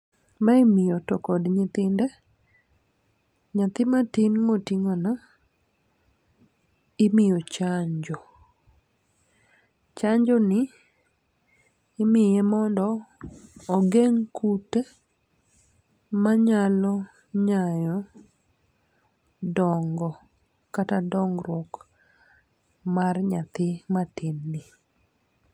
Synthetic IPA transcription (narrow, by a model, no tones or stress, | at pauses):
maimɪjɔtɔkɔdɲɪt̪ɪndɛ | ɲat̪ɪmatinmotiŋɔnɔ | ɪmɪjot͡ʃaɲd͡ʒɔ | t͡ʃaɲd͡ʒɔnɪ | mɪjɛmɔndɔː | ɡeŋkute | maɲalɔ | ɲajɔ | dɔŋɡɔ | katadɔŋɡɾwɔk | marɲat̪ɪmatɪnːi